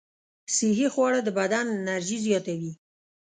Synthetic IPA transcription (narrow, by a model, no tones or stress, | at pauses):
siɦixwɑɽad̪əbad̪anːaɾʒizjɑt̪awi